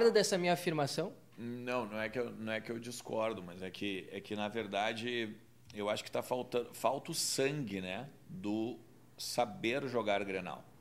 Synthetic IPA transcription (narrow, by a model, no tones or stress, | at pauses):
ɾd̪ɐd̪ɛsɐmĩɲɐafiɾmasɐ̃w̃ | nɐ̃w̃nɐ̃w̃ɛkɪewnɐ̃w̃ɛkɪewd͡ʒiskɔɾd̪ʊmɐzɛkʰɪɛkɪnɐveɾd̪ad͡ʒɪ | ewaʃʊ̥kɪ̥t̪afawt̪ɐ̃fawt̪ʊʊsɐ̃ŋɡɪnɛ | d̪ʊ | sabeɾʒoɡaɾɡɾena̰w